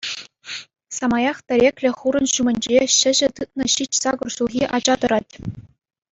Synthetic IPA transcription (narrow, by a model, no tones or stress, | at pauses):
sɑmɑjɑχt̪ʲɘ̆ɾʲekʲlʲɘ̆χuɾɤ̆nɕumʲɘ̆nʲd͡ʑeɕɘ̆ʑɘ̆t̪ɯt̪̚nɤ̆ɕit͡ɕsɑɡŏrɕulˠɣʲiʔɑd͡ʑɑd̪ɤ̆ɾɑtʲ